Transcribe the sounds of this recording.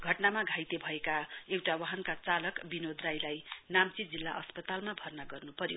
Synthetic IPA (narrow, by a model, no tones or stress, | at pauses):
ɡʱʌʈnamaɡʱajt̪ebʱʌekaewʈawaɦʌnkat͡salʌkbinod̪rajlajnamt͡sid͡zilːaʔʌspʌt̪almabʱʌrnʌɡʌrnupʌɾjo